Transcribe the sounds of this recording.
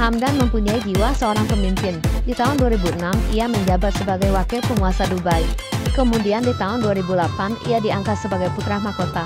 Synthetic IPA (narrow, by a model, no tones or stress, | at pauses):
hamdanməmpuɲaid͡ʒiwasəoɾaŋpəmimpɪndit̪aɦʊnduaɾibuənamiaməɲd͡ʒabat̪̚səbaɡajwakɛpəŋuasadubajkəmudiandit̪aɦʊnduaɾibulapanḭadiaŋkat̪̚səbaɡajput̪ɾahmakot̪a